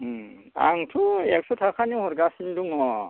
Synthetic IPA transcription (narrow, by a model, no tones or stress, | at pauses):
a̰ŋtʰuɛk̚sɔtʰakʰanihɔɾɡasinduŋɔ